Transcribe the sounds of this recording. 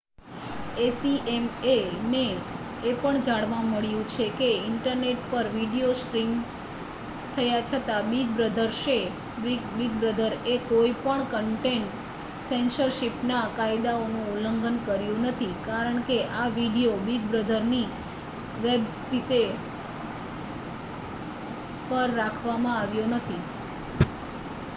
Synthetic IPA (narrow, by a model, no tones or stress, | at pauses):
esiemeneː | pəɳd͡ʒaɽʋaməɭjũt͡ʃʰekeɪɳʈəɾneʈpəɾʋiɽijoskɾim | t̪ʰəjat͡ʃʰət̪abiɡ̚bɾəd̪ʱəɾʃe | ibiɡ̚bɾəd̪ʱəɾekoipəɳkəɳʈeɳʈ | sensəɾʃipnakajd̪aonũuləŋɡənkəɾjũnət̪ʰikaɾəɳkeʔaʋiɽijobiɡ̚bɾəd̪ʱəɾni | ʋebst̪ʰit̪e | pəɾːakʰʋamãaʋjonət̪ʰi